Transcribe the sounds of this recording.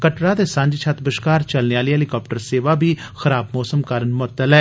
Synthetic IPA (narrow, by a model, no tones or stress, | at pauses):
kəʈɾaːd̪eːsãɲd͡ʒt͡ʃʰat̪bəʃkaːɾt͡ʃəlneːaːliːɦɛlikaːp̚ʈəɾseːʋaːbʱiː | xəɾaːbmɔːsəmkaːɾənmʊət̪ːəlɛː